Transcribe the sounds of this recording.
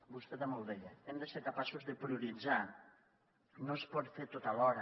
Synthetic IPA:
bust̪eðamolˠd̪eʎaɛmd̪eseɾkapasuzðepɾiuɾid͡za | nõspɔt̪fet̪ot̪alɔɾɐ

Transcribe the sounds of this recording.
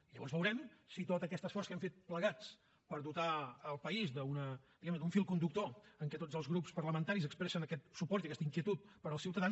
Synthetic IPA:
iʎəβɔnzβəwɾɛmsit̪ot̪əkɛst̪əsfɔrskɛmfet̪̚pləɣat͡s | pəɾdut̪aːlˠpəizd̪əunəd̪iɣɛmnəd̪uɱfilˠkund̪uk̚t̪oəŋkɛt̪od͡zəlˠzɣɾupspərləmənt̪aɾizəkspɾɛsənəkɛt̪̚supɔɾt̪iəkɛst̪əiŋkiət̪ut̪̚pəɾəlˠsiwt̪əðans

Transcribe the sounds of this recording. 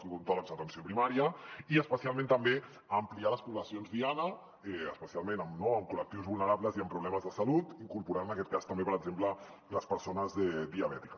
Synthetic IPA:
siɣunt̪ɔləmzət̪ənsiopɾimaɾiəiəspəsialˠmẽnt̪əmbe | əmplialəspuβləsionzðianə | ɛəspəsialˠmenəmnoəmkulək̚t̪iwzβulˠnəɾaβləziəmpɾuβ̞lɛməzðəsəlut̪iŋkuɾpuɾaənəkɛt̪̚kast̪əmbepəɾəɡzemplə | ləspəɾsonəzɛd̪iəβɛt̪ikə

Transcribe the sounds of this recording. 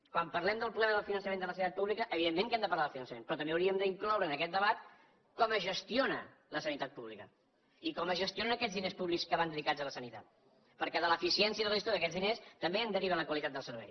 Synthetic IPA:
kwampərlɛmd̪əlˠpɾulɛməðəlˠfinənsəmend̪ələsənit̪at̪̚puβlikəʔəβiðemːẽŋkɛmd̪əpɐɾlaðəlˠfinənsəmḛnpɾɔt̪əmbeəwɾiəmd̪əiŋklɔwɾəːnəkɛt̪̚d̪əβat̪ | kɔməʒəst̪ionə̰ | ləsənit̪at̪̚puβlikə | ikɔməzʒəst̪ionənəkɛd͡zðinespuβlikskəβand̪ðikad͡zələsənit̪a̰t̪̚ | pəɾkɛðələfisiɛnsiəðəlist̪oəkɛd͡zðinest̪əmbeənd̪əɾiβ̞ənləkwəlit̪at̪d̪əlˠsəɾβɛ̰j

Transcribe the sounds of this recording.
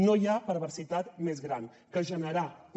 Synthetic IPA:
nojapəɾβəɾsit̪at̪mezɣɾan | kəʒənəɾa

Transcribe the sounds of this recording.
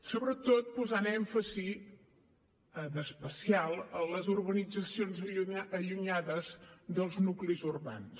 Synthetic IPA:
soβɾət̪ot̪̚puzanɛɱfəzi | d̪əspəsialˠələzurβənid͡zəsionzəʎuɲaðəzðəlˠznuklizurβa̰ns

